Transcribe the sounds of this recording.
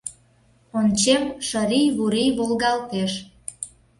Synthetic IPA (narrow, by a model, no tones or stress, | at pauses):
ont͡ɕemʃəɾijβuɾijβolɣɑlt̪eʃ